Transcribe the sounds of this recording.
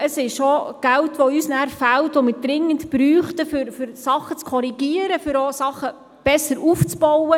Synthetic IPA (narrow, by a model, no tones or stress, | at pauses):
əsɪʃoɡ̥æltʋɔysnæːɾfæltʋomɪɾd̥ɾɪŋːəntb̥ɾyːχtəfʏɾfʏɾsɑχət͡skʰɔɾiɡiəɾəfʏɾosɑχːə | b̥ɛsːəɾuft͡sb̥ɔwə